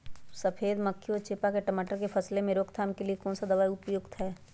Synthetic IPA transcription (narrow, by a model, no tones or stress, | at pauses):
səpʰeːd̪məkʰːjoːt͡ʃeːpakeʈɐmaːʈəɾkepʰɐslemẽɾoːkt̪ʰaːmkeliekɔːnsad̪ɐʋaːjʊpjʊɡt̪ɦɛː